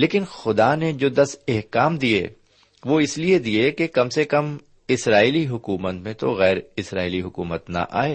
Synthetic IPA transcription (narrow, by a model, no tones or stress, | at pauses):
leːkɪnxʊd̪aned͡ʒoːd̪ɐsɛɦkaːmd̪iḛː | ʋoɪslied̪iekekɐmsekɐm | ɪsɾaːiliɦʊkuːmət̪mẽt̪o̰ɣɛːɾɪsɾa̰ːiliɦʊkṵːmət̪nɐ̰ʔa̰ːeː